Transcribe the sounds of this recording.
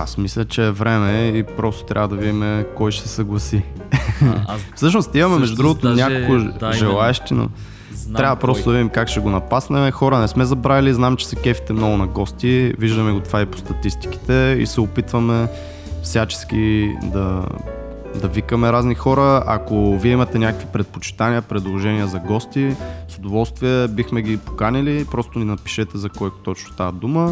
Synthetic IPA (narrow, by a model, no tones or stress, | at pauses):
a̰smislʲɐt͡ʃɛːvɾɛmɛipɾɔst̪o̥t̪ɾʔavəd̪ɐvid̪imɛkɔjʃsɛsɐɡlˠɐsi | fsɤʃ̬nost̪imɐmɛmɛʒd̪ud̪ɾuɡʊt̪onʲakokoʒɛlˠaɛʃt̪ino̰ | ɾʲavɐpɾɔstod̪ɐvid̪imkakʃɛɡonɐpasnɛmɛxɔɾənɛsmɛzɐbɾaviliznamt͡ʃɛ̥sɐkɛfi̥t̪ɛmnoɡʊnɐɡɔst̪iviʒd̪ɐmɛɡot̪ovaipo̥st̪ɐt̪ist̪i̥ki̥t̪ɛḭsɛopit̪vəmɛ | fsʲjat͡ʃɛ̥skʲid̪ɐ | d̪ɐvikəmɛɾaznixɔɾəɐ̰koviɛimɐt̪ɛnʲakə̥kvipɾɛt̪̚pot͡ʃi̥t̪aniəpɾɛd̪lˠoʒɛniəzɐɡɔst̪isod̪ovɔlˠst̪viɛbixmɛɡʲipo̥kanilipɾɔst̪ʊninɐpi̥ʃɛt̪ɛzɐkɔjt̪ɔt͡ʃnʊ̥st̪ad̪umə